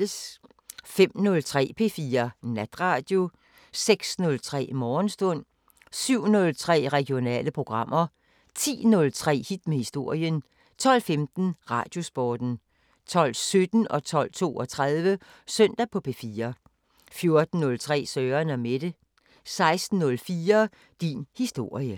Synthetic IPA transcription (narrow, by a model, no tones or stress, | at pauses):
s | fem̰nɔ̽lt͡sʰʁɛ̰ːpʰe̝fiːɐnæd̥ʁɑ̈ːd̥jo̝ | seɡ̥snɔ̽lt͡sʰʁɛ̰ːmɒːnsd̥ɔ̽n̰ | syʊ̰nɔ̽lt͡sʰʁɛ̰ːʁɛɡ̥jo̝nɛ̰ːləpʰʁo̝ɡ̥ʁɑ̈m̰ʔɐ | t͡sʰḭːnɔ̽lt͡sʰʁɛ̰ːhid̥mehisd̥o̝ɐ̰jən | t͡sʰɒ̽l̰femd̥n̩ʁɑ̈d̥jo̝sb̥ɒːd̥n̩ | t͡sʰɒ̽l̰sød̥n̩ɒ̽t͡sʰɒ̽l̰t͡sʰo̝̰ːɒ̽t͡sʰʁað̞ˠʋə | søn̰d̥æpʰɒ̽pʰefiːɐ | fjo̝ɐd̥n̩ːɔ̽lt͡sʰʁɛ̰ːsœːɐnæmed̥ə | sɑ̈ɪsd̥n̩ːɔ̽lfiːɐ | d̥inhisd̥o̝ɐ̰jə